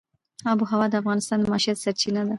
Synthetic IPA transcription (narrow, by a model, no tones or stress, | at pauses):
ɑbuɦawɑd̪əafɣɑnɪst̪ɑnd̪əmɑʃiat̪saɾt͡ʃinad̪a